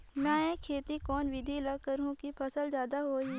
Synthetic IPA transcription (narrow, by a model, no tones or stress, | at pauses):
mɛ̃ːẽkʰeːt̪ikɔːnʋɪd̪ʱilakəɾɦũkipʰɐsəlzjaːd̪aɦoːi